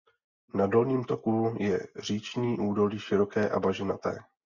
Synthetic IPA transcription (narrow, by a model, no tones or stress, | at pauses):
nado̞lɲiːmt̪o̞kujɛ̰r̝iːt͡ʃɲiːʔuːdo̞liːʃɪɾo̞kɛːʔabaʒɪnat̪ɛ̰ː